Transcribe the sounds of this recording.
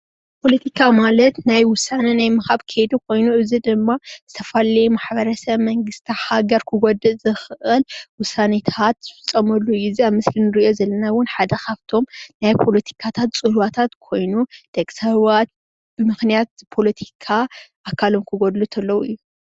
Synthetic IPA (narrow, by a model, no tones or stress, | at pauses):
pʰo̞lɐt̪ʰikʰamalɐt̪najwʊsːanɐnajmɨhaβkʰed̪ukʰo̞jnuɨzid̪ɨmːazɨt̪ʰɐfalɐjmaħβɐɾɐsɐβmɐŋɡɨst̪ʰihaɡɐɾkʰɨɡod̪ɨʔzɨxʔɨlwʊsːanɐt̪ʰat̪z̥ɨfɨt͡sʼːɐmɐlːuɪziaβmɨslinɨɾio̞zɐlːɐnawʊnħad̪ɐxaβt̪ʰo̞mnajpʰo̞lɐt̪ʰi̥kʰat̪ʰat̪t͡sʼɨlwat̪ʰat̪kʰo̞jnud̪̥ɐkʼsɐβat̪̚ | b̥ɨmɨxnijat̪̚pʰo̞lɐt̪ʰi̥kʰaʔakʰːalo̞mkʰɨɡod̪lut̪ʰɐlːɐwɨjːu